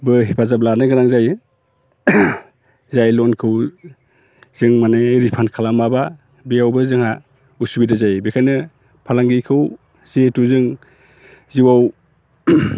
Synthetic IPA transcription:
bɯɦipʰazab̚lanɯɡaɾaŋzaj | zajlɔnkʰɯw | z̥ɯŋmaneɾipʰankʰalamaba | bijawbɯzɯŋha | usubidazajbekʰajnɯ | pʰalaŋɡikʰɯw | z̥etuzɯŋ | ziwaw

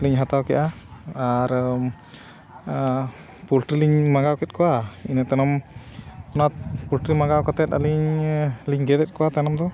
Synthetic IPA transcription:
liɲɦat̪awkɛʔa | aɾ | pulʈɾiliɲmaɡawkɛt̪̚kɔwainat̪ɛnɔm | ɔnat̪̚pulʈɾimaɡawkɔt̪ɛt̪̚a̰liɲliɲɡɛd̪ɛt̪̚kɔwat̪anɔmd̪ɔ

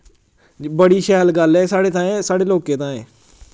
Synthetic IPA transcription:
bəɽiːʃɛːlɡəlɛːsaːɽeːt̪ʰãːɛ̃ːsaːɽeːloːkẽːt̪ãːɛ̃ː

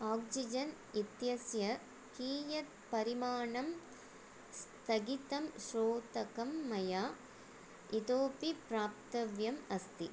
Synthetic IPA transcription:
aːksid͡ʒɐn | it̪jɐsjɐ | kiːjɐt̪̚pɐɾimaːɳɐm | st̪ɐɡit̪ɐmʃɾoːt̪ɐkɐmːɐjaː | it̪oːpipɾaːp̚t̪ɐʋjɐmɐst̪i

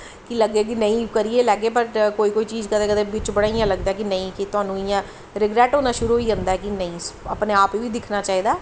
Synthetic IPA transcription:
kiləɡeːk̬inəĩːkəɾieːlɛːɡeːpəɾkoːiːkoːiːt͡ʃiːzkəd̪eːkəd̪eːbɪt͡ʃbəɽaːijãːləɡd̪aːk̬inəĩːkit̪ʊaːnũːijãː | ɾɪɡɾɛːʈɦoːnãːʃʊɾuːoiːə̃nd̪aɛːkinəĩːsə̰pneːaːpiːʋiːd̪ɪkʰnaːt͡ʃaːɦiːd̪aːɛ

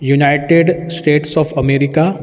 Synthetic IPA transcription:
junaɪʈeɖsʈeːʈsɔːfɐmeːɾɪka

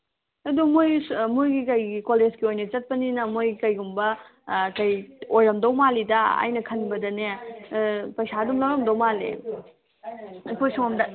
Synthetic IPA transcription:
ɐdumojmujɡikɐjɡikolezɡiojnɐt͡ʃɐt̚pɐninɐmojikɐjɡumbɐ | kɐjojɾɐmdɐwmalidɐa̰jnɐkʰɐnbɐdɐne | pɐjsadumlɐwɾɐmdɐwmalḛ | ɐkʰojsoŋɐmdɐ

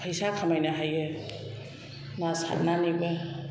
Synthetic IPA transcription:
pʰəjsakʰamajnaɦaje | nasa̰t̚nanibɐ

